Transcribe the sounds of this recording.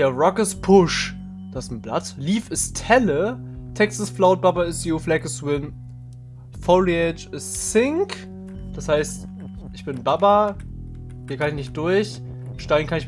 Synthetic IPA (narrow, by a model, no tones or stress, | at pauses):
eɐʁɔkəspʰʊʃ | d̥asn̩bla̰tliːfɪstʰhɛlətʰɛksasflaʊt̚b̥abɐɪsjoflɛkəswɪn | foliɛt͡ʃɪssɪŋk | d̥ashaɪst | ʔɪçb̥ɪnbabɐ | hiːɐkʰanɪçnɪçt̚d̥ʊɐç | ʃtaɪɡn̩kʰanɪç